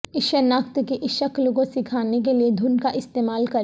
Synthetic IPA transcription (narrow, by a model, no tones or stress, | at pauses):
ɪʃəɾnaːkt̪keʔɪʃəkloɡõsɪkʰaːnek̬elied̪ʱʊnkaʔɪst̪eːmaːlkɐɾ